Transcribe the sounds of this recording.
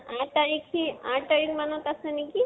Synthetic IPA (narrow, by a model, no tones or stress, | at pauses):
ãʈt̪aɾikʰiãʈt̪aɾikmanõt̪asəniki